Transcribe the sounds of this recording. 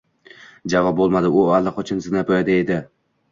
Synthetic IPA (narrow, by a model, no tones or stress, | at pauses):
d͡ʒavɒp̚bolˠmad̪ɪʊalˠːaqʰɒt͡ʃʰɪnsɪznapʰɒjad̪aed̪ɪ